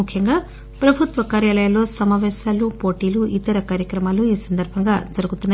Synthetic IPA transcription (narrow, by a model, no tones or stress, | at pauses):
ukʰjɐŋɡaː | pɾɐbʱut̪ʋɐkaːɾjaːlɐjɐlo̞ːsɐmaːʋɛːsaːlupo̞ːʈiːluʔit̪ɐɾɐkaːɾjɐkɾɐmaːluiːsɐnd̪ʱɐɾbʱɐŋɡaːd͡ʒɐɾuɡut̪unːɐ